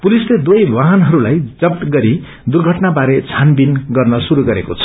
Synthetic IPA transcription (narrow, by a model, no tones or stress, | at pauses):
pulisled̪wojbaɦʌnɦʌɾulajd͡zʌp̚ʈ̪ɡʌɾi | d̪urɡʱʌʈnabaɾet͡sʰanbinɡʌrnʌsuɾuɡʌɾekot͡sʰʌ̥